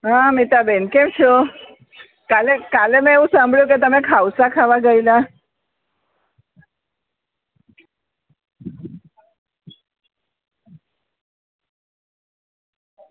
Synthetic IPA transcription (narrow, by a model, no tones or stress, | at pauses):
ɦamit̪abenkemt͡ʃʰo | kalekalemɛ̃eũsambʱɭjũket̪əmekʰawsakʰaʋaɡəila